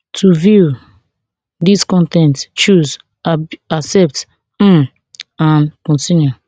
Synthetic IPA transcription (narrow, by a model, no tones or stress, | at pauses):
tʰuvju | diskɔ̃ntɛ̃ntt͡ʃuz | asɛp̚t̩ | ãnkɔ̃ntĩnju